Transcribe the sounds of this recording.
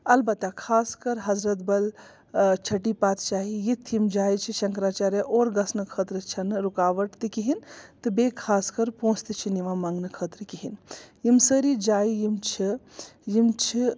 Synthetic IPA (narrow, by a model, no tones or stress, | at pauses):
ɐlbɐt̪ːakʰaːskəɾɦɐzɾət̪bɐl | t͡ʃʰɐʈipaːt̪t͡ʃaːɦijit̪ʰimd͡ʒaːjt͡ʃʰiʃɐŋkɾaːt͡ʃaːɾeʔoːɾɡɐsnɨkʰət̪ɾɨt͡ʃʰɐnɾukaːʋəʈt̪ɨkiɦint̪ɨbekʰaːskəɾpõːst̪it͡ʃʰiniʋãmaŋɡnɨkʰət̪ɾɨkiɦinjimsəɾid͡ʒaːjjimt͡ʃʰijimt͡ʃʰi